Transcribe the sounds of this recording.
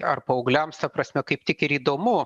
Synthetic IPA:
ɐrpoːoʊɡlʲɛmst̪ɐpɾɐsʲmʲɛkɐɪp̚t̪ʲɪkɪɾiːd̪oːmʊ

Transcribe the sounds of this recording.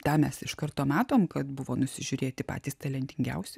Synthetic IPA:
t̪ɑːmʲɛsɪʃkɐrt̪oːmɑːt̪oːmkɐt̪bʊʋoːnʊsʲɪʒʲʊɾʲeːt̪ʲɪpɑ̰ːt̪ʲiːst̪ɐlʲɛnʲt̪ʲɪŋʲɡʲɛ̰ʊsʲɛ

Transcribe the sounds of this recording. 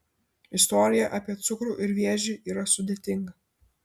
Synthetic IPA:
ɪst̪ɔːɾʲɪjɛʔɑːpʲiɛt̪sʊkɾuːʔɪɾʋʲiɛʒʲiːʔiːɾɐsʊd̪ʲeːt̪ʲɪŋɡɐ

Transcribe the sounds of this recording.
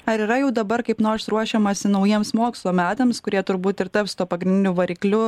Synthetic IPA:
ɐɾiːɾɐjɛʊd̪ɐbɐɾkɐɪpnoːɾsɾuɔʃʲɛmɐsʲɪnɐʊjiɛmsmoːkslˠoːmʲæːt̪eːmskʊɾʲiɛt̪ʊɾbuːt̪ɪɾt̪ɐpst̪uɔpɐɡɾʲɪndʲɪnʲuʋɐɾʲiːklʲʊ

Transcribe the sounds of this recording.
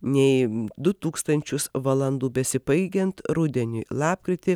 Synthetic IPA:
nʲɛɪd̪ʊt̪uːkst̪ɐnʲt͡ʃʲʊsʋɐlˠɐnd̪uːbʲɛsʲɪbɐɪɡʲɛnt̪ɾʊd̪ʲɛnʲɪːlˠɑːpkɾʲɪt̪ʲɪ

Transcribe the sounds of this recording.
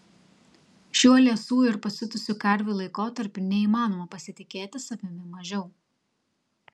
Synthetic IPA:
ʃʲuɔlʲiɛsuːɪɾpɐsʲɪt̪ʊsʲukɐɾʲʋʲuːlˠɐɪkoːt̪ɐɾʲpʲʊnʲɛiːmɑːnoːmɐpɐsʲɪt̪ʲɪkʲeːt̪ʲɪsɐʋʲɪmʲɪmɐʒʲɛʊ

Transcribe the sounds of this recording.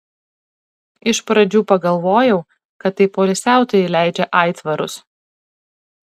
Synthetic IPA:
ɪʃpɾɐd͡ʒʲuːpɐɡɐlˠʋoːjɛʊ | kɐt̪ːɐɪpoːlʲɪsʲæˑʊt̪oɪlʲæˑɪd͡ʒʲɛʔɑɪt̪ʋɐɾʊ̰s

